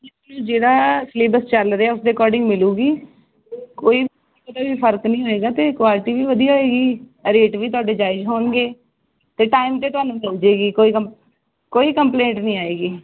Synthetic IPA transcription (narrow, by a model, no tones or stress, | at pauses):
d͡ʒeːt̪ʊnũːd͡ʒeːɽaːsleːbəst͡ʃəlɾeaːʊsd̪eːkɔːɾɖɪ̃ŋɡmɪluːɡiː | koːiːb | t̪aːʋiːpʰəɾknĩːɦoːeːɡaːt̪eːkʊaːlɪʈiːʋiːʋəd̪ijɦoːeːɡiːɾeːʈʋiːt̪ʊaːɖeːd͡ʒaːɪd͡ʒɦoːɳɡeː | t̪eːʈaːɪmt̪eːt̪ʊaːnũːmɪld͡ʒeːɡiːkoːiːkm | koːiːkəmplẽːɳʈnĩːaːeːɡiː